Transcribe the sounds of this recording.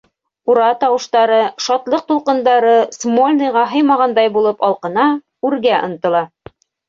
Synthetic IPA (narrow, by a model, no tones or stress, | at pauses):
uɾɑt̪ɑwɤ̆ʃt̪ɑɾɤʃɑt̪lˠɤq̚t̪ulˠqɤ̆nd̪ɑɾɤsmolʲnɤ̆jʁɑɦɤ̆jmɑʁɑnd̪ɑjbulˠɤpɒlˠqɤ̆nɑ | ʉɾɡæʔŏ̰nt̪ɤ̆lˠɑ